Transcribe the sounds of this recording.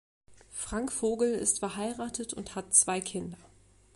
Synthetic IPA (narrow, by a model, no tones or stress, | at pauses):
fʁ̥aŋkfoːɡl̩ɪ̰stfɛɐɦaɪʁaːtʰətʰʊ̰nthatt͡sv̥aɪkʰɪndɐ